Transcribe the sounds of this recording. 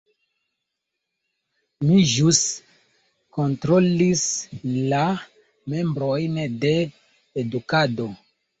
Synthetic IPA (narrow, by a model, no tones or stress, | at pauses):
miʒus | kontɾolisla | me̞mbɾojnde̞ː | dukado